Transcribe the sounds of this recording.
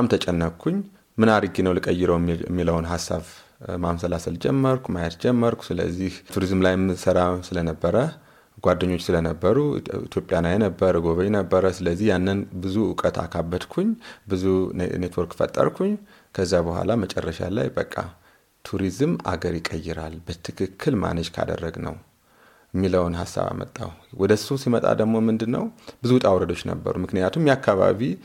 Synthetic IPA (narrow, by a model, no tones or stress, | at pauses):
amt̪ʰət͡ʃʼɛnːəkʰːuɲ | mɨnaɾɨɡinəwlɨkʼəjːɪɾəw̰mːiləwnɦasːaβ | mamsəlasəld͡ʒɛmːəɾkʰʷumajɛt̪d͡ʒɛmːəɾkʷu̥sɨlə̰zːiht̪ʰuɾizmlajmːɨsəɾasɨlənəbːəɾə | ɡʷad̪ːəɲːo̞t͡ʃːsɨlənəbːəɾuḭt̪ʰjo̞pʼjanajɛnəbːəɾɨɡo̞βəjɛnəbːəɾəsɨləzːihjanːənbɨzuʊkʼət̪a̰kʰabːəd̪kʰuɲbɨzunet̪ʰwɔɾkːfə̰t̪ʼːə̰ɾkʰuɲː | kʰəzːabəhʷa̰lamət͡ʃʼɛrːəʃa̰la̰jbəkʼːa | t̪ʰuɾizma̰ɡəɾjɪkʼːəjːɪɾalbət̪ʰɨkʰɨkʰːɨlma̰nət͡ʃkʰa̰d̪ə̰rːəɡnə̰w | jɛmːiləwnɦa̰sa̰βa̰mə̰t̪ʼːa̰wwɔd̪əsusimət̪ʼa̰d̪əɡmo̞mɨnd̪ɨnːə̰wbɨzut̪ʼawɾəd̪o̞t͡ʃːnə̰bːə̰ɾumɨknɨjat̪ʰumjakːaβa̰βi